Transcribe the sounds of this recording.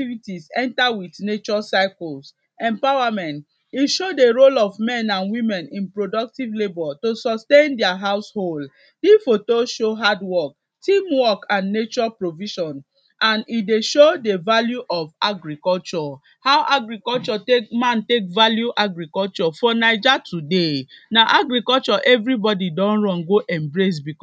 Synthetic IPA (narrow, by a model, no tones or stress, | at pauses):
tivitisɛ̃ntawitnet͡ʃɔsaɪkɔls | ɛ̃mpawamɛ̃nt | iʃodeɹolɔvmɛ̃nãnwĩmɛ̃nĩnpɹodɔk̚tivlebɔtosɔstẽndɛaɦaʊshold | difotoʃoɦadwɔk̚ | tĩmwɔkãnːet͡ʃɔpɹoviʃɔ̃n | ãnideʃodevaljuʔɔvaɡɹikɔlt͡ʃɔ | hawʔaɡɹikɔlt͡ʃɔtemãntekvaljuʔaɡɹikɔlt͡ʃɔfɔnaɪd͡ʒatʰudenaʔaɡɹikɔlt͡ʃɔʔɛvɹibɔdidɔ̃nɹɔ̃nɡoʔɛ̃mbɹes̬bikɔ